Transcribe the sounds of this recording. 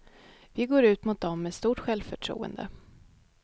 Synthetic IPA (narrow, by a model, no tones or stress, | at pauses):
vɪɡoːɾʉ̟ːt̪mʊt̪̚d̪ɔmːɛst̪uːʈɧɛlvfœʈʰɾṵːə̰nd̪ə̰